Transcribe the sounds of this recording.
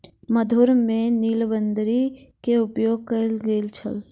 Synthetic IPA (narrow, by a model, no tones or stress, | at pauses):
məd̪ʱʊɾmẽniːlbənd̪ɾikeʊpjoːɡ̚kəlɡelt͡ʃʰə̰l